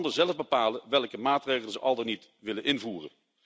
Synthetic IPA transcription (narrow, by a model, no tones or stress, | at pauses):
ndəzɛləvbəpaːləʋɛlˠkəmaːtrejχəl̩ˠzəʔɑlˠdənit | ʋɪlənʔɪnvuːrə̰